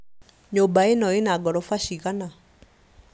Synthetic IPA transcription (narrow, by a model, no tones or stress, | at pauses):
ɲobaenɔenaɡɔɾɔfaʃiɣana